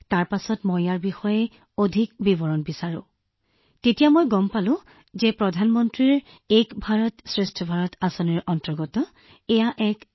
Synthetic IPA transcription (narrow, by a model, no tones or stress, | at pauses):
taɹpasɔtmɔjjaɹbixɔjɛ | odʱikbibɔɹɔnbisaɹʊ̰̃ | tetijamɔjɡɔmpalʊ̃ | zɛpɹɔdʱanmɔntɹiɹ | ejkbʱaɹɔtsɹestʰɔbʱaɹɔtasɔniɹɔntɔɹɡɔtɔ | ɛjaʔɛk